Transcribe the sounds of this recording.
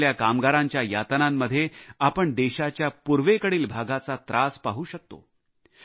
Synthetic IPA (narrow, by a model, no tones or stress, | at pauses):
ljakamɡaɾaɲt͡ɕjaja̰t̪namːəd̪ʱːjeapəɳd̪eɕat͡ɕjapuɾʋekəɽiːlbʱaɡat͡sat̪ɾʔaspaɦuːɕək̚t̪o̰